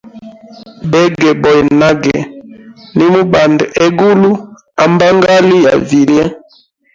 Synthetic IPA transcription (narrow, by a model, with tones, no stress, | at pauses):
bɛ˦ɡɛ˨bɔ˨jna˦ɡɛ̰˨ | ni˦mu˦ba˨nde˦ɡu˦lu˦ | a˨mba˦ŋɡa˦li˦ja̰˨vi˨ljɛ˦